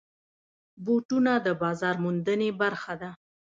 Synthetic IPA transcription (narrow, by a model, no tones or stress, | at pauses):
buʈunad̪əbɑzɑɾmund̪ənebaɾxad̪a